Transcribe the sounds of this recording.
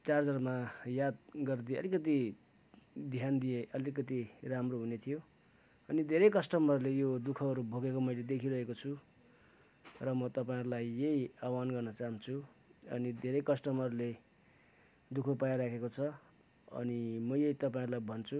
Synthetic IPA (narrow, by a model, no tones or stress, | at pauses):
t͡sard͡zʌrmajad̪̚ɡʌrd̪iʌ̰likʌt̪̬i | d̪ʱjand̪ijeʔʌlikʌt̪iramroɦunet̪ʰijo | ʌnid̪ʱeɾʌjkʌsʈʌmʌɾulejod̪ukʰʌʌɾubʱoɡekomʌjled̪ekʰiɾʌɦekot͡sʰu | rʌmʌt̪ʌpaĩɾulajːejawanɡʌrnʌt͡saɦunt͡sʰuʌ̰nid̪ʱeɾʌjkʌsʈʌmʌɾule | d̪ukʰʌpajɾakʰekot͡sʰʌ | ʌ̰nimʌjejt̪ʌpaĩɾulajbʱʌnt͡sʰu